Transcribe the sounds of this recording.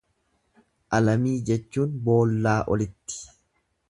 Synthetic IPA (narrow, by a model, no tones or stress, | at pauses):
ʔɐlɐmiːd͡ʒɛt͡ʃːuːnbo̞ːlːaːʔɔ̰lɪt̪ːɪ̥